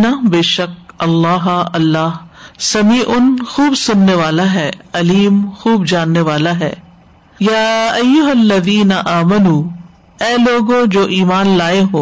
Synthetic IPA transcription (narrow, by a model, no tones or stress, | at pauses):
nabeːʃɐk̚ɐlːaːɦɐlːaːɦsɐmiːʔʊnxuːbsʊnːeʋaːlaɦɛːɐliːmxuːbd͡ʒaːnːeʋaːlaɦɛ̰ː | jaːɐjːʊɦɐlːɐðiːnɐʔaːmɐnuː | ɛːloːɡõd͡ʒoːʔiːmaːnlaːeɦoː